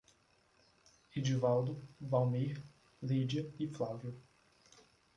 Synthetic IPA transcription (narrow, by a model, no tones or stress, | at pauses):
ed͡ʒivald̪ʊvawmejɾ | led͡ʒɐiflavjʊ